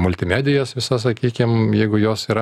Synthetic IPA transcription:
mʊlʲt̪ʲɪmʲæːd̪ʲɪjoːsʋʲɪsɐs̬ɐkʲiːkʲɪmjɛɪɡʊjoːsiːɾɐ

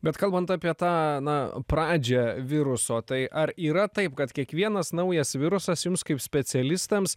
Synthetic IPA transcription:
bʲɛt̪kɐlˠbɐnt̪ɑːpʲiɛt̪ɑːnɐpɾɑːd͡ʒʲɛʋʲɪɾʊsoːt̪ɐɪʔɐɾiːɾɐt̪ɐɪpkɐt̪kʲiɛkʋʲiɛnɐsnɐʊjɛsʋʲɪɾʊsɐsjʊmskɐɪpsʲpʲɛsʲɛlʲɪst̪ɐms

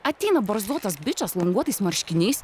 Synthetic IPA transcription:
ɐt̪ʲɛɪnɐbɐɾzuɔt̪ɐsbʲɪt͡ʃʲɐslˠɐŋɡuɔt̪ɐɪsmɐɾʲʃʲkʲɪnʲɛɪs

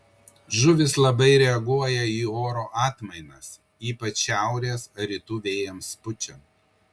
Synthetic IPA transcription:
ʒʊʋʲɪslˠɐbɐɪɾʲɛɐɡuɔjɛiːoːɾoːʔɑːt̪mɐɪnɐs | iːpɐt͡ʃʃʲæˑʊɾʲeːsɐɾʲɪt̪uːʋʲeːjɛmspʊt͡ʃʲɛ

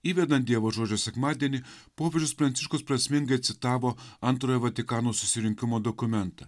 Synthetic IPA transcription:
iːʋʲɛd̪ɐt̪d̪ʲiɛʋoːʒoːd͡ʒʲosʲɛkmɑːd̪ʲiɛnʲɪpoːpʲed͡ʒʲʊspɾɐnt̪sʲɪʃkʊspɾɐsʲmʲɪŋɡɐɪɐt̪ʲsʲɪt̪ɑːʋoːɐnt̪ɾoːjɛʋɐt̪ʲɪkɑːnoːsʊ̥sʲɪɾʲɪŋʲkʲɪmoːd̪ɔkʊmʲɛnt̪ɐ

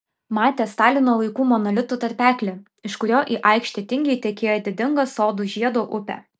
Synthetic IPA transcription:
mɑːt̪ʲeːst̪ɑːlʲɪnoːlˠɐɪkuːmɔnɐlʲɪt̪uːt̪ɐɾʲpʲæːklʲe | ɪʃkʊɾʲoːʔiːʔɑɪkʃʲt̪ʲet̪ʲɪŋʲɡʲɛɪt̪ʲɛkʲeːjoːd̪ʲɪd̪ʲɪŋɡɐsoːd̪uʒʲiɛd̪oːʔʊpʲæ̰ː

